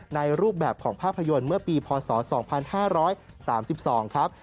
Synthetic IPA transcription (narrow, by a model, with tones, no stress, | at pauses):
na˧jɾuː˥˩p̚bɛː˨˩p̚kʰɔː˩˦ŋpʰaː˥˩pʰːa˧jo˧nmɯ˥˩ɐpiː˧pʰɔː˧sɔː˩˦sɔː˩˦ŋpʰa˧nhaː˥˩ɾɔː˦˥j | saː˩˦msi˨˩p̚sɔː˩˦ŋkʰɾa˦˥p̚